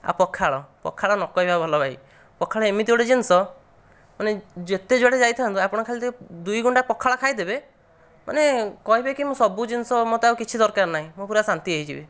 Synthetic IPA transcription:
a̰pɔkʰːaɭɔpɔ̰kʰːaɭɔnɔkɔɦibabʱɔlɔbʱai | pɔkʰːaɭɔemit̪ewɽed͡ʒinsɔ | maned͡ʒet̪ed͡ʒoɽed͡ʒajt̪ʰaant̪uapɔɽ̃ɔkʰalit̪ʰid̪ujɡuɳʈapɔkʰːaɭakʰajd̪ebe | ma̰nekɔɦibekimosɔbud͡ʒinsɔmot̪ɔawkit͡ʃʰid̪ɔɾkaɾnaɦĩmopuɾasant̪ieɦit͡ʃʰibe

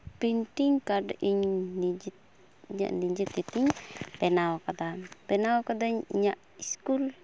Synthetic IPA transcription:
pint̪iŋkadaʔiɲnid͡ʒit̪ | ɲa̰niɲd͡ʒit̪it̪iŋpɛnawokad̪apɛnawokad̪aɲaʔ | iskul

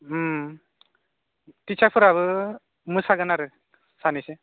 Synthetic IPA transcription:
t̪it͡ʃʰapʰɯɾaβɯ | mɯsaɡɯnaɾɯ | sanise

